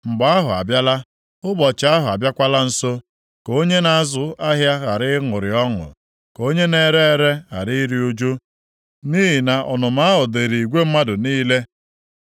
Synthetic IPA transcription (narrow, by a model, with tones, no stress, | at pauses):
ŋ͡m̩˨ɡ͡ba˨a˦ɦʊ˨a̰˨bja˦la˦ | ʊ˦bɔ˨t͡ʃa˦ɦʊ˨a˨bja˦kʷa˦la˦n̩˦so˦ | ko˦ɲe˦na˨a˦˨zʊ˨˦a˦ɦja˦ɣa˨ɾɪ˦ŋʊ˨ɾɪ˨ɔ˦ŋʊ̰˨ | ko˦ɲe˦ne˨ɾe˦ɾe˦ɣa̰˨ɾɪ˦i˦ɾi˦o˦d͡ʒo˦ | niː˦ɦi˨na˨ʔɔ˨nʊ˨ma˦ɦʊ˨de˨ɾi˨i˨ɡʷe˦m̩˦ma˦dʊ˨niː˦le˦